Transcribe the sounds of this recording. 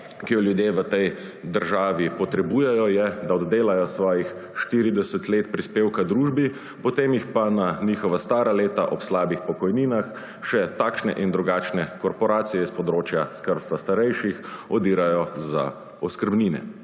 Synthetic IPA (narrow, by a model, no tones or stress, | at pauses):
kijɔljud̪jeːʋət̪ɛj | d̪əɾʒaːʋipɔt̪ɾɛbuːjɛjɔjɛd̪aɔd̪d̪eːlajɔsʋɔːjix | ʃt̪iːɾid̪ɛsət̪leːt̪pɾispeːwkad̪ɾuːʒbi | pɔt̪eːmjixpananiːxɔʋast̪aːɾaleːt̪aʔɔpslaːbixpɔkɔjniːnax | ʃɛt̪akʃnɛ̰ʔind̪ɾuɡaːt͡ʃnɛkɔɾpɔɾaːt̪sijɛspɔd̪ɾoːt͡ʃjaskəɾt̪st̪ʋast̪aɾɛjʃixɔd̪iːɾajɔza̰ | ɔskəɾbniːnɛ̰